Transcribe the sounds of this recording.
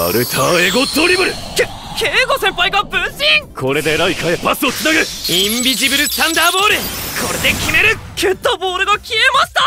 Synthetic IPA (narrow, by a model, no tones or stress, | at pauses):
a̰ɾɯ̟t̪ʰaeɡot̪oɾʲibɯɾɯke | keːɡo̞sẽ̞mpaiɡabɯ̃ɕĩŋkʰo̞ɾe̞d̪e̞ɾaikʰaepasɨot͡ssɨnaɡɯĩmbʲiʑibɯɾɯ̟st̪ãnd̪aːbo̞ːɾɯ̟kʰo̞ɾe̞d̪e̞kʲimeɾɯ̟kʲʰɯt̪ːoboːɾɯ̟ɡakʲiemaɕi̥t̪a